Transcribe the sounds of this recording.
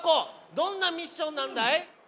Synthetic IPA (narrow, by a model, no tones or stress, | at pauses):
kod̪õnːamʲiɕːõnːãnd̪aj